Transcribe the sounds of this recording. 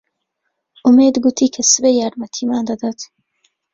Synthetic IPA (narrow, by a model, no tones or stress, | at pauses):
ʔumeːd̪ɡut̪ʰiːkʰɐsɨbejaːɾmɐt̪ʰimaːnd̪ɐd̪at̪